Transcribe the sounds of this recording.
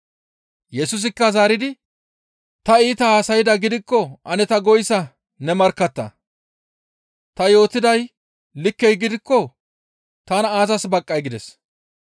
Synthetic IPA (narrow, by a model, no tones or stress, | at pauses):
jɛsʊs̬ɪkːɐzaːɾɪd̪ɪ | t̪ɐiːt̪ɐhaːsɐjɪd̪ɐɡɪd̪ɪkːɔʔɐnɛt̪ɐɡɔjsɐ | nɛmɐɾkːɐt̪ːɐ̰ | t̪ɐjo̞ːt̪ɪd̪ɐj | lɪkːɛjɡɪd̪ɪkːɔ | t̪ɐnɐaːzɐsbɐkʼːɐjɡɪd̪ɛs